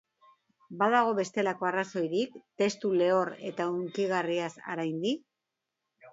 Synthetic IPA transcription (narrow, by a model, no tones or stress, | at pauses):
baðaɣ̞o̞βe̞st̪e̞lako̞araso̞jɾikt̪e̞st̪ule̞o̞re̞̰t̪auŋkiɣ̞ariasa̰ɾajnd̪ik